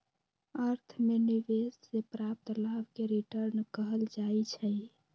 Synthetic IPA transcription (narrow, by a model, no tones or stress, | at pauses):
əɾt̪ʰmeniʋesːepɾap̚t̪labkeɾiʈəɾnkəɦəld͡ʒajt͡ʃʰəj